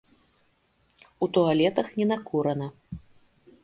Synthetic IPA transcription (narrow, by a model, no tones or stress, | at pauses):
ut̪ɔalʲɛt̪ɐxnʲɛnakuɾɐnɐ